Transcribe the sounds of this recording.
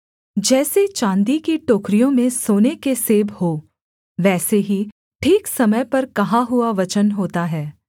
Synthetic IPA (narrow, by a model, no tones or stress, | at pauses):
d͡ʒɛːset͡ʃãːnd̪ikiʈoːkɾijõmẽsoːnekeseːbhoː | ʋɛːseɦi | ʈʰiːksɐməjpɐɾkɐɦãɦʊaʋɐt͡ʃənɦoːt̪aɦɛː